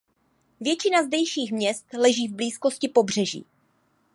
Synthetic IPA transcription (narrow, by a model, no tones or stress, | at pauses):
vjɛt͡ʃɪnazdɛjʃiːxmɲɛst̪lɛʒiːvbliːsko̞scɪpo̞br̝ɛʒḭː